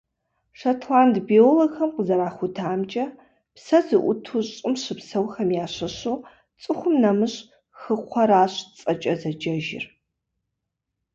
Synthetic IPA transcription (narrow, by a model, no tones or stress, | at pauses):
ʂɐtʰlaːndbioːloɡxɐmqəzɐɾaːχʷʊtʰaːmt͡ʃʼɐ | psɐzɨʔʷʊ̰tʰuɕʼɨmɕɨpsɐwxɐmjaːɕɐɕuː | t͡sʼɨxʷʊmnɐmɨɕ | xɨqʷʰɐɾaːɕt͡sʼɐt͡ʃʼɐzɐd͡ʒɐʒɪ̰r